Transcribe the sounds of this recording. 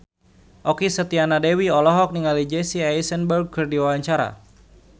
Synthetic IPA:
ʔɔkisət̪ianadɛwiɔlɔɦɔk̚niŋalid͡ʒɛsiajsənbərɡ̚kɨrdiwawaɲt͡ʃaɾa̰

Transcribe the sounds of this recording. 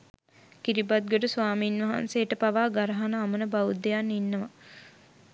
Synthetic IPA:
kiɾibat̪̚ɡoʈəsʋaːmiːnʋɐɦa̰nsejəʈəpaʋaːɡaɾɐɦanəːmənəbaʋud̪ejanːinːəʋa

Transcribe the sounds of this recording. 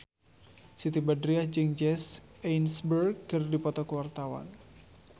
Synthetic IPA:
sit̪ibadɾiahd͡ʒɨŋd͡ʒɛsɛjnsbərɡ̚kɨrdipɔt̪ɔkəwart̪awa̰n

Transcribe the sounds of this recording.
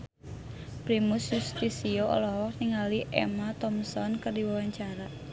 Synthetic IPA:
pɾimusjust̪isioʔɔ̰lɔɦɔk̚niŋaliʔɛ̰mat̪ɔmsɔnkɨrdiwawaɲt͡ʃaɾa

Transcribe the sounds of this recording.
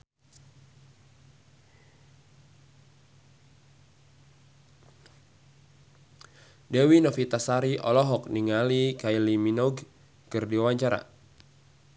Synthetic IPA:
dɛwinɔfit̪asaɾiʔɔlɔɦɔk̚niŋalikailiminɔɡ | kɨrdiawaɲt͡ʃaɾa̰

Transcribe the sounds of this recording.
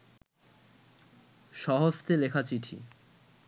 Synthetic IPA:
ʃɔɦost̪elekʰat͡ɕiʈʰḭ

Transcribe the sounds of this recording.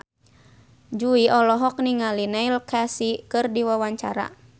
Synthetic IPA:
d͡ʒuiʔɔlɔɦɔk̚niŋalinailkasikɨrdiwawaɲt͡ʃaɾa̰

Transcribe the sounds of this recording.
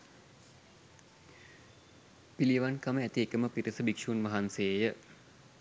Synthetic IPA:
piliʋankaməæt̪iekəməpiɾəsəbikʂuːnʋɐɦanseːjə

